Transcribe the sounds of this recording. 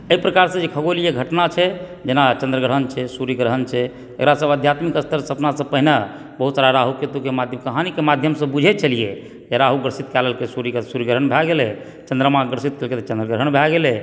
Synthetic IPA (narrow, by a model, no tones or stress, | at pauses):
əipɾəkaɾsə̃d͡ʒekʰəɡolijeɡʱəʈnat͡ʃʰɛd͡ʒenat͡ʃə̃nd̪ɾəɡɾəɦənt͡ʃʰɛsuɾiɡɾəɦənt͡ʃʰɛ | ḛkɾasəbəd̪ʱjat̪mikəst̪ʰəɾsəpnasə̃pəɦina | bəɦut̪saɾaɾaɦuket̪ukemad̪ʱjəmkəɦanikemad̪ʱjəmsə̃bud͡ʒʱɛt̪̚t͡ʃʰəlije | d͡ʒeɾaɦuɡɾsit̪kɛləlkesuɾisuɾiɡɾɦənbʱɛɡelɛ | t͡ʃə̃nd̪ɾəmaɡɾsit̪̚kelket̪ət͡ʃə̃nd̪ɾəɡɾəɦənbʱɛɡelɛ